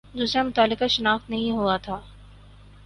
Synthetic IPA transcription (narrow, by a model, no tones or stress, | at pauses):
d̪uːsɾamʊt̪aːlːɪkaʃɪnaːxt̪nɐɦĩɦuat̪ʰaː